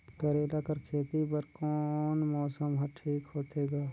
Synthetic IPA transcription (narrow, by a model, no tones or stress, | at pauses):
kəɾeːlakəɾkʰeːt̪ipəɾkɔːnmɔːsəmɦɐʈʰiːkɦoːt̪eːɡaː